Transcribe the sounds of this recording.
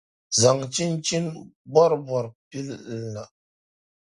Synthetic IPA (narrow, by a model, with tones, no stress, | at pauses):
za˨ŋt͡ʃi˦nt͡ʃi˦nbɔ˦ɾbɔ˨ɾpi˦l̩˨lːa˨